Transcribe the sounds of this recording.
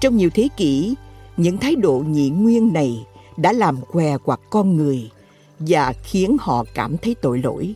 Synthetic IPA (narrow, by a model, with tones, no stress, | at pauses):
t͡ɕɔ˧wŋ͡mɲi˨˩əwt̪ʰe˨˦kḭ˧˥ɲɨ̰˧˥ŋt̪ʰaː˨˦jɗo̰˧˨ɲḭ˧˨ŋwi˧ənːa˨˩jɗa̰ː˧˥laː˨˩mkwɛ˨˩kwa˨˩kːɔ˧nŋɨ˨˩əj | vaː˨˩xi˨˦ənhɔ̰˧˨kaː˧˩mt̪ʰə˨˦jt̪o̰˧˨jlo̰˧˥j